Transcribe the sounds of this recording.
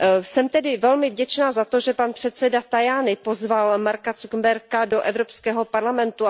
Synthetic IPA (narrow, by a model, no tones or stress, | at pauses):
sɛmt̪ɛdɪvɛlmɪvɟɛt͡ʃnaːzat̪oʒɛpanpr̥ɛt̪sɛdat̪ajaːnɪpozvalmaɾkat͡sukmbɛɾkadoʔɛvɾo̞pskɛːɦo̞paɾlamɛnt̪u